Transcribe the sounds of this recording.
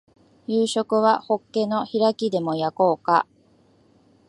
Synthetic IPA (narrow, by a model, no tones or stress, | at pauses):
jɯːɕo̞kɯ̟βaho̞kːe̞no̞çiɾakʲid̪e̞mo̞jako̞ːka̰